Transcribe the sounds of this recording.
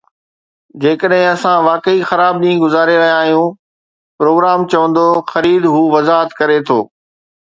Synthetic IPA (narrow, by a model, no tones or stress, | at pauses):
d͡ʑeːkəɗɦɪ̃ɐsãʋaːkəixɐɾaːbɗĩːɡʊzaːɾeɾɐɦjãaːɦijũ | pɾoːɡɾaːmt͡ɕɐʋə̃nd̪oxɐɾiːd̪ɦuːʋɐzaːɦət̪kɐɾet̪ʰoː